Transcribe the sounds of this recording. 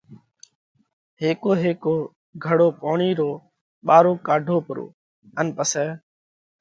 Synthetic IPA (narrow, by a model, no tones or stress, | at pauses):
heːkoːɦeːkoː | ɡʱəɽoːpoːɳiːɾoː | ɓaːɾoːkaːɖʱoːpəɾo̰ː | ənpəsɛː